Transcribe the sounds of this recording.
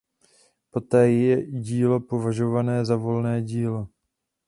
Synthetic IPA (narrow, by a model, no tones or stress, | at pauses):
po̞t̪ɛːjɛɟiːlo̞po̞vaʒovanɛːzavo̞lnɛːɟiːlo̞